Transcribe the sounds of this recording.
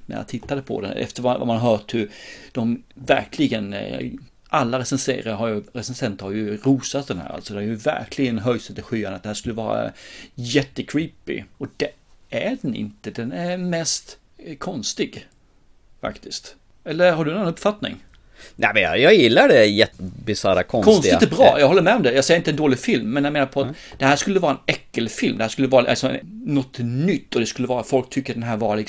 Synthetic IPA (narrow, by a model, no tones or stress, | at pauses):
næ̰ja̰t̪ʰɪt̪ːad̪əpʰɔ̰d̪ɛ̰nɛ̰ft̪əɾvava̰manɦœːʈhɵd̪̥ɔmvæ̰ɾkʰlɪɡən | ʔalːaɾɛsɛnsḛːɾaɾɦaɾjɵɾɛsɛnsɛnt̪əɾhajɵɾuːsat̪̚d̪ɛnhæ̰ːɾa̰lt̪sɔd̪ɛæɾjɵvæ̰ɾkʰlɪɡənɦœjsɛnt̪ɪɧyːanət̪d̪ɛhæːʂkɵlːəvɑːɾa̰jɛt̪ːəkʰɾiːpɪ̰ɔd̪̥ɛæɖɛnɪ̰nt̪əd̪ɛnæɾmɛst̪ | kʰɔnst̪ɪɡ | fa̰kt̪ɪskt̪ | ɛlːəɾhaɖɵnːɔnɵpːfat̪nɪ̰ŋ | nʔæmɛnjɑjɑjɪlːaɖɛæjɛt̪ːəbɪsaɾa̰kʰɔkʰɔnsɪɛbɾɑ̰ːjɑɡhɔlːəɾmɛɔmd̪ɛjɑɡsɛjːɾɪnt̪əɛnd̪oːlɪɡfɪlmːɛnjameːnaɾpʰɔat̪ | d̪̥ɛhæːʂkɵlːəvɑːɾaɛnɛkːəlfɪlmd̪ɛhæːʂkɵlːəvɑːɾasɔm̰nɔt̪ːnʏt̪ːɔd̪ɛskɵlːəvɑːɾafɔlk̚t̪ʰʏkːəɖ̪ɛnɦæːɾvɑːɾalɪ